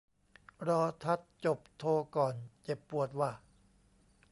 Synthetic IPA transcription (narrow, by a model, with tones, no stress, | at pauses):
ɾɔː˧t̪ʰa˦˥t̪̚t͡ɕo˨˩p̚t̪ʰoː˧kɔː˨˩nt͡ɕe˨˩pːu˨˩ət̪̚waː˥˩